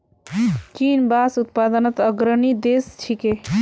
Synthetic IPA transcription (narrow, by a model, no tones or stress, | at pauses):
t͡ʃiːnbaːsut̪̚pad̪ənət̪əɡɾənid̪est͡ʃʰike